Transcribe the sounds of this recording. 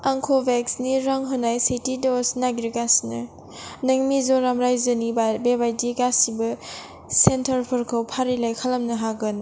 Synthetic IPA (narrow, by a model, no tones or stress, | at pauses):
aŋkʰobeksniɾaŋɦɔnajsetidɔsnaɡɾiɡasnɐ | nɐŋmizɔɾamɾajzɯnibebajdiɡasibɐ | sentʰɐɾpʰɔɾkʰɔwpʰaɾilajkʰalɐmnɐɦaɡɯn